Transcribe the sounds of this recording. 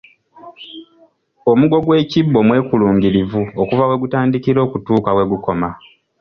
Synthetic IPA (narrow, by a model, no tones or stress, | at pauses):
o̞muɡo̞ɡwe̞ːcibːo̞mwe̞ːkuluːŋɟiɾivuokuvawe̞ɡutaːndikiɾo̞ːkutuːkawe̞ɡuko̞ma